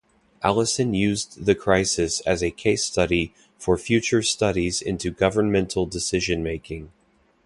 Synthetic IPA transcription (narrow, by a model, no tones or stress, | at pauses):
ʔælˠəsɨ̃njʉzðɨkʰɹ̥aɪsɨsɨzɨkʰeɪstʌɾi | fə˞fjʉt͡ʃə˞stʌɾizɪ̰̃ntʰʉɡʌvə˞nmɛ̃ntʰˡl̩ˠdɨsɪʒɨ̃nmeɪkʰɪ̃ŋ